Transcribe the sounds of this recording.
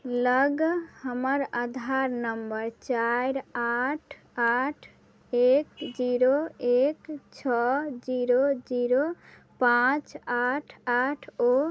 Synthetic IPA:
ləɡhəməɾad̪ʱaɾnəmbəɾt͡ʃajɾaʈʰ | aʈʰ | ekd͡ʒiɾoekt͡ʃʰɔd͡ʒiɾod͡ʒiɾo | pãt͡ʃaʈʰaʈʰo

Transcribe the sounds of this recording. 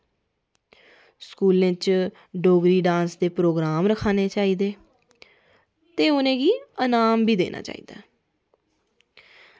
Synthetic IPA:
skuːlẽːt͡ʃ | ɖoːɡɾiːɖãːnsd̪eːpɾoːɡɾaːmɾəkʰːaːneːt͡ʃaːiːd̪eː | t̪eːʊnẽːɡiːənaːmbiːd̪ḛːnʔa̰ːt͡ʃa̰ːḭːd̪a̰ː

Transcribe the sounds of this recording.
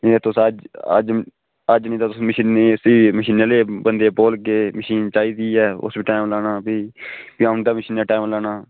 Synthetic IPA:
nĩːt̪ʊsəd͡ʒə̰d͡ʒ | əd͡ʒnĩːt̪aːt̪ʊsməʃiːneːsiːməʃiːneleːbənd̪eːpoːlkeːməʃiːnt͡ʃaːiːd̪iːɛːʊ̰sbiːʈaːɪmlaːnaːpiːpiand̪aːməʃiːnɛːʈaːɪmlaːnaː

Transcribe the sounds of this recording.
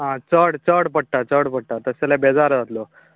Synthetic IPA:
ɦãt͡səɽt͡səɽpəɽ̚ʈ̪at͡səɽpəɽ̚ʈat̪əsalebed͡zaɾd͡zat̪lo

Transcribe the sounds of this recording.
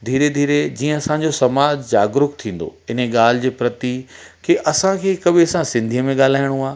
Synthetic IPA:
d̪ʱiːɾed̪ʱiːɾed͡ʑiːə̃ɐsãɲd͡ʑosɐmaːd͡ʑd͡ʑa̰ːɡɾʊkt̪ʰĩːn̆d̪o̰ɪn̤eɠaːl̤ɪ̆d͡ʑeːpɾɐt̪ikʰeʔɐsãkʰeːkɐɓʱɪɐsãsɪ̃nd̪ʱijəmẽɠaːl̤aːɪɽ̃oaː

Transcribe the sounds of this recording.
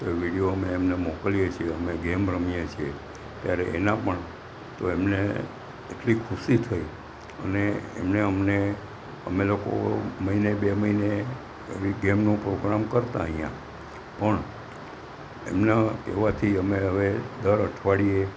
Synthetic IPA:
t̪oeʋiɽijoəmeːmnemɔkəlijet͡ʃʰieəmeɡemɾəmijet͡ʃʰie | t̪jaɾeːnãpəɳ | t̪oemneː | ʈlikʰuʃit̪ʰəi | ə̰nḛːmneəmne | əmeloko̰məinebeməine | əiɡemnũpɾoɡɾamkəɾt̪aəɦĩjã̰ | pəɳ | ḛmnakeʋat̪ʰiəmeəʋed̪əɾəʈʰʋaɽie

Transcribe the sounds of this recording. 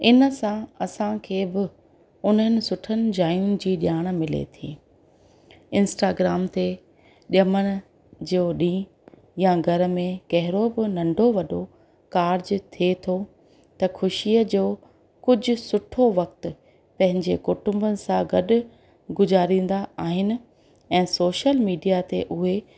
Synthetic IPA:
ɪnə̆sãɐsãkʰeːbɪ | ʊnɦənɪ̆sʊʈʰənɪ̆d͡ʑaːjũːnd͡ʑiːɗɪjaːɽ̃mɪlḛt̪ʰḭ̃ː | ɪ̃nsʈaːɡɾaːmt̪e | ɗjɐməɽ̃ɪ̆ | d͡ʑoːɗĩː | jãɡʱɐɾə̆mẽkɐɦɪɾobɪnɐ̃ɳɖʱoʋɐɗo | kaːɾd͡ʑt̪ʰiet̪ʰo | t̪ɐxʰʊʃijəd͡ʑoː | kʊd͡ʑʱʊ̆sʊʈʰoʋɐk̚t̪ʊ | pɐ̃ɦɪ̃ɲd͡ʑekʊʈʊ̃mbənɪ̆sãɡɐɗʊ̆ | ɡʊzaːɾĩːn̆d̪aaːɦɪnɪ̆ | ɛ̃ːsoːʃəlmiːɖijat̪eʔʊɦe

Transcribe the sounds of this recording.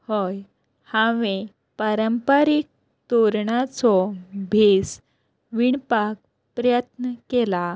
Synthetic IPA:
hɔj | hãʋẽ | paɾəmpəɾik̚ | t̪oɾɳat͡sɔbʱes | ʋiɳpak̚ | pɾəjət̪nəkela

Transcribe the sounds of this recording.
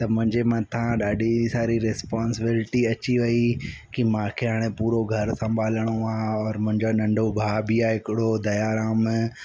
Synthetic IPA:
t̪ɐmʊ̃ɦɪ̃ɲd͡ʑemãt̪ʰãɗaːɖʱisaːɾiɾespaːnsɪbɪlɪʈiɐt͡ɕiʋɐikimãːkʰeɦaːɽ̃ẽpuːɾoɡʱɐɾsɐ̃mbʱaːləɽ̃oaɔːɾmʊ̃ɦɪ̃ɲd͡ʑonɐ̃ɳɖʱobʱaːbiaːɦɪkɪɽod̪ɐjaːɾaːm

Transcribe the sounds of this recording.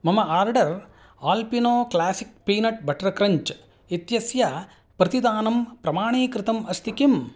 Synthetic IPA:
mɐmɐaːɾɖɐɾ | aːlpinoːklaːsik̚piːnɐʈ̚bɐʈɐɾɐkɾɐɲt͡ʃ | it̪jɐsjɐ | pɾɐt̪id̪aːnɐmpɾɐmaːɳiːkɾɨt̪ɐmɐst̪ʰikim

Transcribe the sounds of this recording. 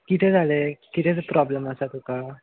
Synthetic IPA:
kit̪ʰed͡zʱalekit̪ʰet͡sepɾɔbləmasat̪uka

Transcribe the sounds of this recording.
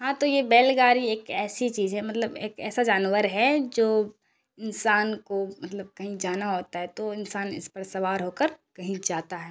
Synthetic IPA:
ɦãt̪ojebɛːlɡaːɾieːkɛːsit͡ʃiːzɦɛ̃mɐt̪ləbeːkɛ̰ːsad͡ʒaːnʋəɾɦɛd͡ʒoː | ɪnsaːnkomɐt̪ləb̚kɐɦĩd͡ʒaːnaɦoːt̪aɦɛt̪oɪnsaːnɪ̰spɐɾsɐʋaːɾɦoːkəɾkɐɦĩd͡ʒaːt̪aɦɛː

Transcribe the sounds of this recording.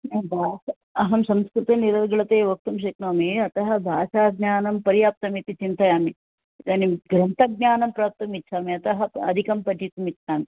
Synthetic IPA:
ebʱaːʃ | ɐɦɐmsɐmskɾut̪ɐniɾɐɡɐɭɐt̪eːʋɐk̚t̪umʃ̬eːk̪noːmeɐt̪ɐɦɐ̆bʱaːʃaːɡnʲjaːnɐmpɐɾijaːp̚t̪ɐmit̪it͡ʃint̪ɐjaːmi | it̪ɐnimɡɾɐnt̪ɐɡ̚njaːnɐmpɾaːp̚t̪ɐmitːʃʰaːmeɐt̪ɐɦɐɐ̰d̪ʱikɐmpɐd͡ʒit̪umitːʃʰaːmi

